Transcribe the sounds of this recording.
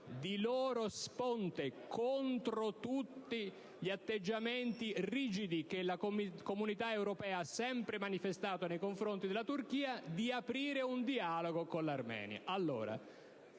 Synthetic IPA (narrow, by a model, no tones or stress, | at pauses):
d̪iloːɾospont̪ekʰont̪ɾot̪ut̪ːi | ʎiat̪ːed͡ʒːament̪iriːd͡ʒid̪ikelakkomunit̪aewɾopɛːaasːɛmpɾemanifest̪aːt̪onejkoɱfɾont̪id̪elːat̪urk̟iːad̪iapɾiːɾeund̪ialoɡokonlarmɛ̰ːnja̰ʔalːo̰ːɾa̰